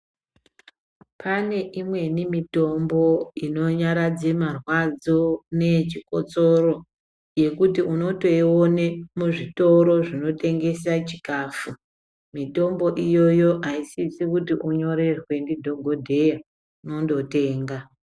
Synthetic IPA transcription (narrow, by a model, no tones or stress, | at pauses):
pʰane̞ʔimwe̞nimito̞mbo̞ino̞ɲaɾad͡zemarwad͡zone̞t͡ʃiko̞t͡so̞ɾo̞ | je̞kutiuno̞to̞iwonemuʐito̞ɾo̞ʐino̞te̞ŋɡe̞sat͡ʃikaːfu | mito̞mbo̞ʔijo̞jo̞ʔaisisikutiʔuɲo̞ɾe̞rwe̞ndidʱo̞ɡʱo̞dʱe̞ja | no̞ndo̞te̞ːŋɡa